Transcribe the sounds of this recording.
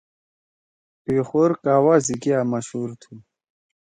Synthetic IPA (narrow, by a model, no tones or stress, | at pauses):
pexoːɾkaːwaziɡijamɐɕhuːɾt̪ʰu